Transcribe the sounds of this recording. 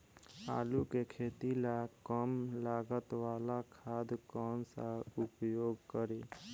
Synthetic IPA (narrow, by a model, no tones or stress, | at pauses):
a̰ːlukekʰet̪ilakəmlaɡət̪walakʰaːd̪kɔnsaupjoːɡkəɾe